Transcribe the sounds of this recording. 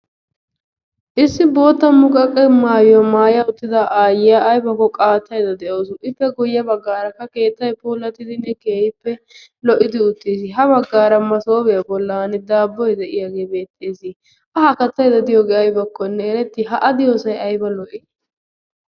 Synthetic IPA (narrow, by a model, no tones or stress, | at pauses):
ʔɪsːɪbo̞ːt̪ːɐmʊkʼɐkʼːɛmaːjɐmaːjɐʊt̪ːɪd̪ɐʔaːjɪjaʔːjbɐkːɔkʼaːt̪ːɐjd̪ɐd̪ɛʔo̞ːsʊʔɪpːɛɡʊjːɐbɐɡːaːɾɐkːɐke̞ːt̪ːɐjpoːlːɐt̪ːɪd̪ɪnːɛke̞ːɪpːɛ | lɔʔɪd̪ɪʊt̪ːis̬ɪɦɐbɐɡːaːɾɐmɐso̞ːbɛjɐbɔlːanɪd̪aːbːɔjd̪ɛʔɪjaːɡe̞ːbe̞ːt̪ʼːeːsɪ | ʔɐhɐkɐt̪ːɐjd̪ɐd̪ɪjɔɡɛɐjbɐkːɔnːɛɛɾɛt̪ːɪɦɐʔɐd̪ɪjoːsɐjɐjbɐlɔʔɪ